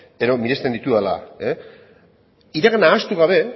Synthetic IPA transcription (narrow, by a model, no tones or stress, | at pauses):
eɾo̞miɾe̞st̪end̪it̪uala̰e | iɾeɣenaːst̪uɣ̞aβe̞